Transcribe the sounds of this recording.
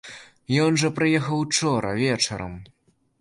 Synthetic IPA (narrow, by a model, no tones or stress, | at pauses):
jɔnʐɐpɾɨjɛxɐwt͡ʂɔɾɐ̰vʲɛt͡ʂɐ̰ɾɐ̰m